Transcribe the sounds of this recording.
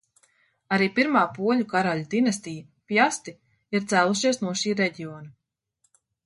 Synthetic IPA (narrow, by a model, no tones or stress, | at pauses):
aɾiːpiɾmaːpuɔlʲukaɾalʲud̪inast̪ij | pjast̪i | iɾt̪sæːlˠuʃiɛsnuɔʃiːɾɛɟiɔːna